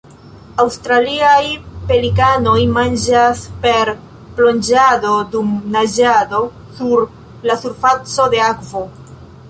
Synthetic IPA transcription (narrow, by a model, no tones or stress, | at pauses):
awstɾaliajpe̞likano̞jmand͡ʒaspe̞ɾ | plo̞nd͡ʒado̞dumnad͡ʒado̞ | suɾ | lasuɾfat͡so̞de̞akvo̞